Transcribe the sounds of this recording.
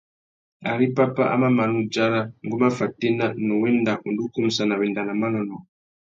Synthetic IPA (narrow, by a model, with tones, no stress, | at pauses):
a̰˨ɾi˦pa˦pa̰˦ʔa̰˦ma˦ma˨nu˦d͡ʒa˦ɾa˦ŋɡu˦ma˦fa˨ti˦na˦nɔ˨wɛ˦nda˨ʔu˨ndu˦ku˦m̩˨sa˨na˨βɛ˨nda˨na˨ma˦nɔ˨nɔ˨